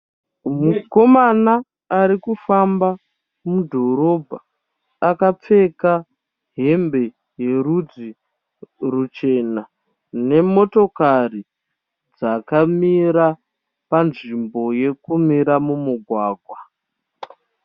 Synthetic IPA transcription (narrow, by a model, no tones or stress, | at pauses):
muko̞manaː | ɾikufamba | mudʱo̞ɾo̞bʱa | akap͡fe̞ka | ɦe̞mbe̞ | je̞ɾud͡zi | rut͡ʃe̞na | ne̞mo̞to̞kari | d͡zakamiɾa | panʐimbo̞je̞kumiɾamumuɡʱwaːɡʱwa